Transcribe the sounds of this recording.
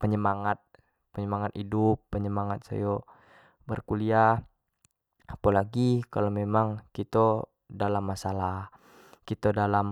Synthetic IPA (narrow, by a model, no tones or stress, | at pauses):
pəɲəmaŋat̪̚ | pəɲəmaŋat̪idupːəɲəmaŋat̪̚sa̰jo | bərkulia | apalaɡikalomemaŋkit̪o | dalamːasalah | kit̪ədalam